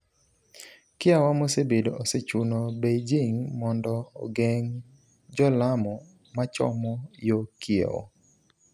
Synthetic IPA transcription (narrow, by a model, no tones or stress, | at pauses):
kɪawamosebedoʔoset͡ʃunobed͡ʒiŋmɔndɔ̰ːɡeŋ | d͡ʒɔlamɔ | mat͡ʃɔ̰mɔjokɪḛo̰